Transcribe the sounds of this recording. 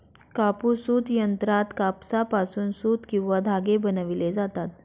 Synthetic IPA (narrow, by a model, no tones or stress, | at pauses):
kapusuːt̪jənt̪ɾat̪kapsapasuːnsuːt̪kĩw̃ʋad̪ʱaɡebənəʋiled͡zat̪at̪